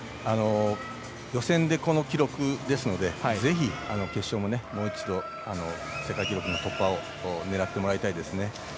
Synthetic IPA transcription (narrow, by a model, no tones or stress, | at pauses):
ano̞ | jo̞sẽ̞nd̪e̞ko̞no̞kʲiɾo̞kɯ̟d̪e̞sɨno̞d̪e̞haze̞çiano̞ke̞ɕːo̞ːmo̞ne̞mo̞ːit͡ɕid̪o̞ | ano̞ | se̞kaikʲiɾo̞kɯ̟not̪o̞pːao̞ | ne̞ɾat̪ːe̞mo̞ɾait̪aid̪e̞sɨne̞